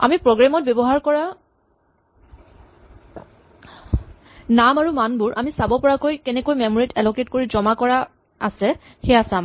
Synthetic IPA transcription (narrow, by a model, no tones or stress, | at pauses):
a̰mipɹoɡɹamɔt̚bjɔbɔɦaɹkɔɹa | namaɹumanbʊɹʔamisabɔpɔɹakojkɛnɛkojmɛmɔɹitʰɛlɔketkoɹizɔmakɔɹa | asɛ | xɛasãm